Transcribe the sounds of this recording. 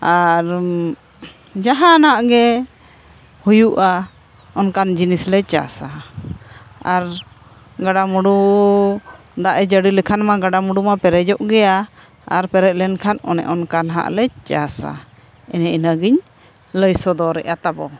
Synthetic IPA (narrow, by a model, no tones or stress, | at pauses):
aɾ | d͡ʒaɦãnaʔɡɛ | hujuʔa | ɔnkand͡ʒinislɛt͡ʃa̰sa | aɾ | ɡaɖamuɽu | d̪aʔɛd͡ʒəɖilɛkʰanmaɡaɖamuɽumapɛɾɛd͡ʒɔʔɡɛja | aɾpɛɾɛc̪̚lɛnkʰanɔ̰nɛ̰ʔɔnkanɦa̰ʔlɛt͡ʃasa̰ | ɛnɛinaɡiɲ | ləjsɔd̪ɔɾɛ̰ʔat̪abɔ